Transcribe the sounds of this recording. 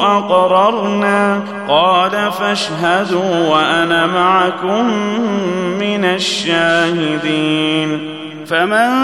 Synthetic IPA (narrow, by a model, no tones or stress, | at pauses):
ʔɑqɾˤɑɾˤnaː | qɑːlafaʃɦad̪uːwaʔanaːmaʕakʊmː | ɪnaʃːaːhɪd̪iːn | faman